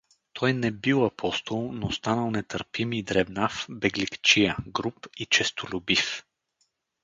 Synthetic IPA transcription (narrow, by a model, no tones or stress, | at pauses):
t̪ʰɔjnɛbilˠɐpʰɔst̪olˠnost̪anəlˠnɛt̪əɾpimːd̪ɾɛbnafbɛɡlʲikt͡ʃijəɡɾupit͡ʃɛst̪ʰolʲʊbif